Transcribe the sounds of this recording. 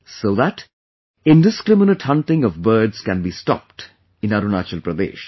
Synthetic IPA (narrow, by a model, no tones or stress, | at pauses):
soːðæʈ | ɪ̃nɖɪskɾɪmɪnəʈhʌ̃nʈɪ̃ŋɔvbəːɖz̥kæ̃nbiːsʈɔ̰p̚ʈ | ɪ̃naɾunat͡ʃəlpɾəd̪ḛːʃ